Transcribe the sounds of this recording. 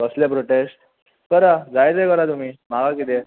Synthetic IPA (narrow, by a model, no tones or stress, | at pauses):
əslẽpɾoʈesʈ | kəɾad͡zajd͡zekəɾat̪um̤iːmaɡakit̪̬e